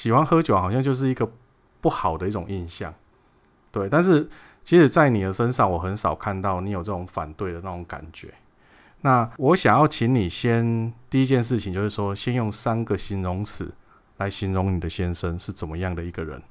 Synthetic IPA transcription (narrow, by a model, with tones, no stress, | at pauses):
ɕi˨˩xwa˦nxɤ˦t͡ɕjo˨˦xɑ˨˩ʊɕjɑ˥˧ŋt͡ɕjo˥˧ʊʂ̬ɻ̩˥˩i˧˦ɡə˨ | pu˥˩xɑ˨˩ʊd̪ə˦i˥˩ʈ͡ʂʊ˨˩ŋi˥˧nɕjɑ˥˩ŋ | t̪we˥˩ɪt̪a˥˧nʂ̬ɻ̩˥˩ | t͡ɕʰi˧˥ʂɻ̩˨˩t͡sa˥˩ɪni˨˩d̪ə˦ʂə˦nʂɑ˥˩ŋwɔ˨˩xə˧˦nsɑ˨˩ʊkʰa˥˧nt̪ɑ˥˩ʊni˧˥jo˨˩t͡sə˥˩ʈ͡ʂʊ˨˩˦ŋfa̰˨˩nt̪we˥˩ɪd̪ə˨na˥˩t͡sʊ˨˩ŋka̰˨˩nt͡ɕɥɛ̰˧˦ | na˥˨wɔ˧˦ɕjɑ˨˩ŋjɑ˥˩ʊt͡ɕʰi˨˧˥nli˨˩ɕjɛ˦nt̪i˥˧i˦˥t͡ɕjɛ˥˧nʂ̬ɻ̩˥˩t͡ɕʰi˨ŋt͡ɕjo˥˧ʊʂ̬ɻ̩˥˩ʂwɔ˦˥ɕjɛ˦njʊ˥˩ŋsa˦nɡə˨ɕi˧˥nɻʊ˧˦ŋs̩˨˩˦ | la˨˦ɪɕi˧˦nɻʊ˧˥ŋni˨˩d̪ə˦ɕjɛ˦˥nʂə˦nʂɻ̩˥˩t͡sə˨˩nmə˦jɑ˥˩ŋd̪ə˩i˧˦ɡə˨ɻə̰˧˦n